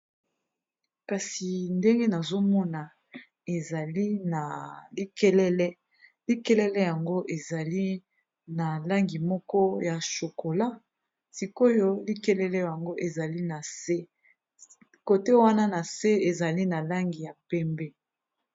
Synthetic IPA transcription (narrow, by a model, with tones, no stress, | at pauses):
ka˨si˨nde˦ŋɡe˦na˨zo˦mɔ˦na˨ | e˨za˨li˦na˨li˦kɛ˦lɛ˦lɛ˦ | li˦kɛ˦lɛ˦lɛ˦ja˨ŋɡo˦ʔe˨za˨li˦ | na˨la˦ŋɡi˨mɔ˦kɔ˦ja˨ʃo˨ko˨la˦ | si˨ko˦jo˦li˦kɛ˦lɛ˦lɛ˦ja˨ŋɡo˦ʔe˨za˨li˦na˨se˦ | ko˨te˦wa˦na˦na˨se˦e˨za˨li˦na˨la˦ŋɡi˨ja˨pɛ˦mbɛ˦